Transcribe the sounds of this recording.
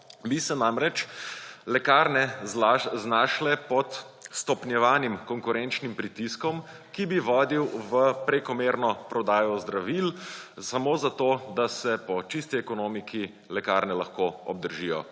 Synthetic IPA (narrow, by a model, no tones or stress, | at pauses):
ʋisɛnamɾɛt͡ʃlɛkaɾnɛaznaːʃlɛpɔt̪ | st̪ɔpnjɛʋaːnimkɔŋkʊɾɛnt͡ʃnimpɾit̪iskɔm | kibiʋɔːd̪iwʋəpɾekɔmeɾnɔpɾɔd̪aːjɔzd̪ɾaʋilsamoːzat̪od̪asɛpɔt͡ʃist̪iɛkɔnoːmikʰi | lɛkaːɾnɛlɐxkoɔ̰b̚d̪əɾʒijɔ̰